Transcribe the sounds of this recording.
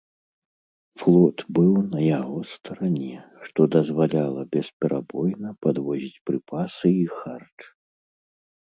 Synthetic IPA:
flˠɔt̪bɨwnɐjaɣɔst̪ʰɐɾanʲɛʂt̪ɔd̪ɐzvalʲalˠɐbʲɛspʲɛɾabɔjnɐpad̪vɔzʲit͡sʲpɾɨpʰasɨixart͡ʂ

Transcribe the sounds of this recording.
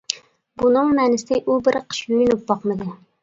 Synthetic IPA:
bunɨŋmɛnɪsɪʔubɪɾqʰə̥ʃjojnup̚bɑqmɨd̪ɨ

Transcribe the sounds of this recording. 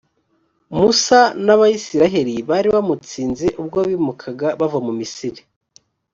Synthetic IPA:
musanaβajisiɾaɦeɾiβaɾiβamut͡siːnzeʔub̚ɡoβimukʰaɡaβavamumisiɾi̥

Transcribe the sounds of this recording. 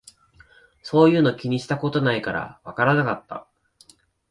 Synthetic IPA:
so̞ːjɯ̟ːno̞kʲiɲ̟iɕi̥t̪ako̞t̪o̞naikaɾa̰βakaɾanakat̪ːa̰

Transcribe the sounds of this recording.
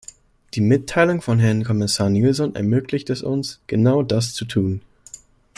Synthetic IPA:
d̥iːmɪtʰːaɪlʊŋfɔnɦɛɐnkʰɔmɪsaːɐniːlzɔnʔɛ̰ɐmøːklɪçtɛsʊnsɡ̥ənaʊdast͡sutʰuːn

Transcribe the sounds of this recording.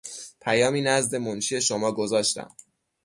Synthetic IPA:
pʰæjɒːmiːnæzd̪e̞monʃiːe̞ʃo̞mɒːɡozɒːʃt̪æ̰m

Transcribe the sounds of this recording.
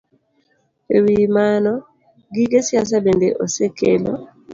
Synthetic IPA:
ewimanɔ | ɡiɡesjas̬abendeʔosekelo

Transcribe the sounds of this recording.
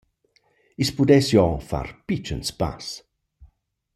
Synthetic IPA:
ispudɛsjɔfa̰rpit͡ʃə̰nspa̰s

